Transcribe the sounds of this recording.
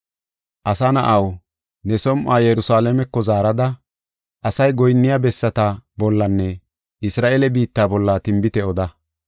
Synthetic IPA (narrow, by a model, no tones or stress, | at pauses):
ʔɐsɐnɐ̰ʔɐw | nɛsɔmʔaːjɛɾʊsaːlɛmɛkːɔzaːɾɐd̪ɐ | ʔɐsɐjɡɔjnːɪjabɛsːɐt̪ɐbɔlːɐnːɛ | ʔɪsɾaːʔɛlɛbiːt̪ːaːbɔlːɐt̪ɪmbɪt̪ɛɔd̪ɐ